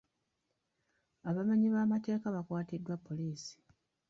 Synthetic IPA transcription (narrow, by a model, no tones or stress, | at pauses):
aβamaɲiβaːmate̞ːkaβakwaːtidːwapːo̞liːsi̥